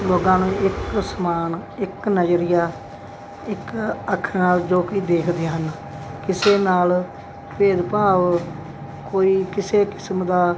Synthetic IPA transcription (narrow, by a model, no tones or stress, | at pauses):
loːɡãːnũːɪksəmaːnɪknəd͡ʒɾɪjaː | ɪkəkʰnaːld͡ʒoːkiːd̪eːkʰd̪eːɦən | kɪseːnaːl | peːd̪paːʋ | koːiːkɪseːkɪ̥smd̪aː